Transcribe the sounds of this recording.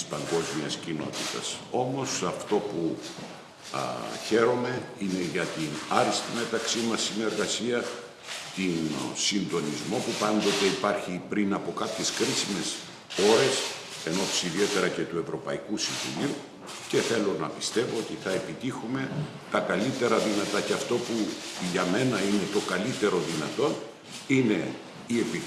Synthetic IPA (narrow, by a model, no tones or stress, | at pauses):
t̪ispɐŋɡo̞zmiɐscino̞̰t̪it̪ɐ̰so̞mo̞sɐft̪o̞pu | çe̞ɾo̞me̞ine̞ʝɐt̪inɐɾist̪ime̞t̪ɐksimɐsːine̞ɾɣɐsiɐ | t̪insind̪o̞nizmo̞pupɐnd̪o̞t̪e̞ipɐɾçipɾinɐpo̞kɐpçe̞skɾisime̞s | o̞ɾe̞s | e̞no̞t̪i̥siðie̞t̪e̞ɾɐce̞t̪ue̞vɾo̞pɐikusiɱvṵliu | ce̞θe̞lo̞nɐ̰pist̪e̞voot̪iθɐe̞pit̪ixume̞ | t̪ɐkɐlit̪e̞ɾɐðinɐt̪ɐceɐft̪o̞puʝɐme̞nɐine̞t̪o̞kɐlit̪e̞ɾo̞ðinɐt̪o̞n | ine̞ | ie̞pi